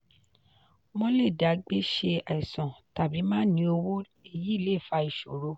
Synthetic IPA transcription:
mɔ̃˦le˦˨da˨˦ɡ͡be˦ʃe˧a˨i˨sɔ̃˨ta˨bi˨˦mãː˦nĩ˧˦o˧wo˦ | e˦˨ji˨˦˨le˦˨fa˧i˨ʃo˨ɾo˧

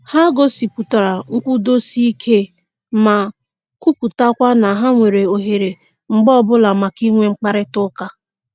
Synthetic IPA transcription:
ha˦ɡo˦si˨pu˨ta˨ɾa˨ŋ̩˦kʷu˦do˦si˦i˦kʰe˦ | ma˨ | ku˦ku˨ta˦kʷa˦na˨ɦa˦ŋʷe˨ɾe˨o˨ɦe˨ɾe˨ | ŋ͡m̩˨ɡ͡bɔ˦bʊ˦la˨ma˨ki˦ŋʷe˦ŋ͡m̩˦k͡pa˦ɾɪ˦tʊ˦ka˦

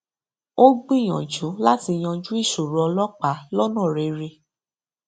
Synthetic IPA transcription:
o˦ɡ͡bĩ˦˨ɔ̃˨d͡ʒu˨˦la˦ti˧j̃ɔ̃˧d͡ʒu˦i˦˨su˨ɾu˨˦ɔ˧lɔ˦k͡pa˨˦lɔ˦nã˦˨ɾe˨˧ɾe˧

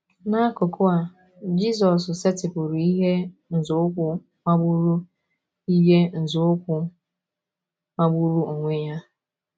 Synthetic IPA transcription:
na˦kʊ˨kʊ˦a˨ | d͡ʒi˦s̬ɔ˨s̬se˦tɪ˨pʊ˨ɾi˦ɦe˦n̩˨zʊ˨˦ʊ˦kʷʊ˦ | ma˦ɡ͡bu˦ɾu˦ | i˦ɦe˦n̩˨zʊ˨˦ʊ˦kʷʊ˦ | ma˦ɡ͡bu˦ɾu˦o˨ŋʷe˦ɲa˦

